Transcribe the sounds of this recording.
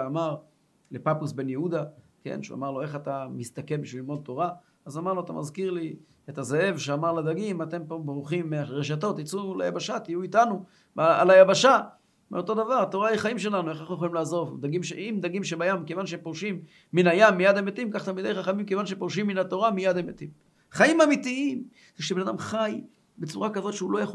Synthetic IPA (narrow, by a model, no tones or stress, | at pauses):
amaʁ | le̞papusbe̞njeud̪a | kḛnʃṵa̰maʁlo̞eχat̪amist̪akebiʃvililmo̞d̪̚to̞ʁa | azamaʁloat̪a̰mazkiʁli | etazehe̞vʃeamaʁled̪aɡimat̪e̞mpo̞bʁuχimːeaʁeʃ̬ato̞t̪it͡suleja̰baʃat̪ijuitanu | aa̰lajabaʃa | meo̞to̞d̪avaʁat̪o̞ʁaiχaimʃe̞lanueχaχnujexolimlaːzo̞vd̪aɡimʃeimd̪aɡimʃebajamkevanʃeempoʁʃimː | inajamːijad̪emet̪imkaχt̪almid̪ejχaχamimkevanʃepoʁʃimːinat̪o̞ʁamijad̪emet̪im | χajimamitiim | z̥eʃebenadamχaj | bet͡suʁakazo̞t̪ʃeulo̞jaχo